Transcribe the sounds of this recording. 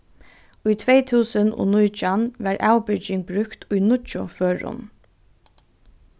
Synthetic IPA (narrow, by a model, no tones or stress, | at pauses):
ʊjt̪ʰʋeɪt̪ʰuːsəno̰ːnujt͡ʃanʋɛɹʔaʊbʏd͡ʒɪŋbɾʉkt̪ʰʊjnʊt͡ʃʊføːɹʊ̰n